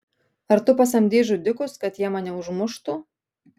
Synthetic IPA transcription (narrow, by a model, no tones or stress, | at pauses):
ɐɾt̪ʊpɑsɐmʲd̪ʲeːʒʊd̪ʲɪkʊskɐt̪jiɛmɑːnʲɛʊʒmʊʃt̪ʊ